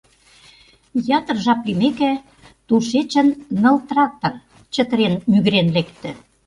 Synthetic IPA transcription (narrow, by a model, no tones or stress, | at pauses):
jɑt̪ə̆rʒɑplimekæ | t̪uʃet͡ɕə̆nːɤ̆lt̪rɑt̪ə̆r | t͡ɕə̆t̪əɾenmyɣɾenlekt̪ɘ̆